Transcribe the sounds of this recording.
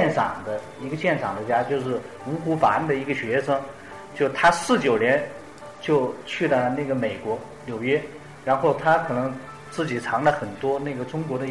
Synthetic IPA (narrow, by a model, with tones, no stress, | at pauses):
ɛ˥˩nʈ͡ʂʰɑ̰˨˩ŋd̪ə˦ | i˧˥ɡə˧ɕjɛ˥˩nʈ͡ʂʰɑ˨˩ŋd̪ə˦t͡ɕja˥t͡ɕjo˥˧ʊʂɻ̩˥˩ | u˧˥xu˧˥fa˧˥nd̪ə˨i˧˥ɡə˧ɕɥɛ˧˥ʂɤ˥ŋ | t͡ɕjo˥˩ʊt̪ʰa˥sɹ̩˥˩t͡ɕjo˨˩ʊnjɛ˧˥n | t͡ɕjo˥˧ʊt͡ɕʰy˥˧lə˥˩na˥˩ɡə˩me˨˩ɪkwɔ˧˥ | ljo˨˩ʊɥɛ˥ | ɻa˧˥nxo˥˩ʊt̪ʰa˥kʰɤ˨˩nɤ˧˥ŋ | t͡sɹ̩˥˩t͡ɕi˨˩ʈ͡ʂʰɑ˧˥ŋlə˧xə˨˩nt̪wɔ˥na˥˩ɡə˩ʈ͡ʂʊ˥ŋkwɔ˧˥ɾə˧